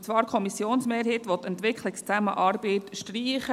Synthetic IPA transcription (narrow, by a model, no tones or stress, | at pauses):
t͡svɑːɾkʰɔmisjoːnsmeːɾhiːtʋɔt̪ɛntʋɪkχlɪkst͡sæməʔɑːɾbeːtʃtriːχə